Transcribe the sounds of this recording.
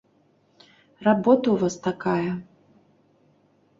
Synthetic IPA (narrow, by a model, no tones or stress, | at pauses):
rabɔt̪ɐuvast̪akajɐ